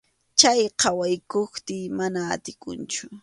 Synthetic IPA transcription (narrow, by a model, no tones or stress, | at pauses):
t͡ʃajqʰɑwajkoxt̪ɪːmana̰ːt̪ɪkʊ̰nt͡ʃʊ